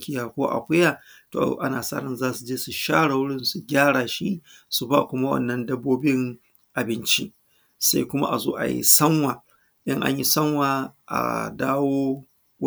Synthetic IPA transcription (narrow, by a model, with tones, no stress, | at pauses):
kʲɪ˨jaː˨kʷo˦ʔa̰˨kʷʊ˦jaː˨ | to̰ː˨˦ʔa˦naː˨saː˦ɾɐ˨nzaː˦su˨d͡ʒeː˦su˨ʃaː˦ɽa˨wʊ˦ɽɪ˦nsu˨ɡʲaː˦ɽaː˨ʃi˦ | su˨ba˦˨kʷʊ˦ma˦wɐ̰˦˨nːɐ˦ndɐ˦bːoː˦bɪ˦ŋ | ʔa˨bɪ˦nt͡ʃḭ˦ | sa̰˦jkʷʊ˦ma̰˦ʔa˨zo̰ː˦ʔa̰˨jḭ˦sɐ˦ŋwaː˨ | ɗɪ˦ŋʔa̰˦ɲji˦sɐ˦ŋwaː˨ʔa̰˨daː˦woː˦